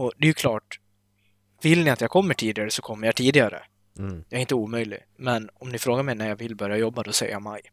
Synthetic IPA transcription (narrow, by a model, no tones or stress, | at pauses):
ɔd̪ɛjʉkʰlɑːʈ | vɪlnɪat̪jakʰɔmːəʈʰiːd̪ɪɡaɾəsɔkʰɔmːəɾjajt̪ʰiːd̪ɪɡaɾə̰ | jaɛɾɪnt̪əuːmœjlɪ̰ɡ | mɛnɔmnɪfɾoːɡaɾmɛjnæjavɪlbœɾjajɔbːad̪ɔsɛ̰jə̰jama̰j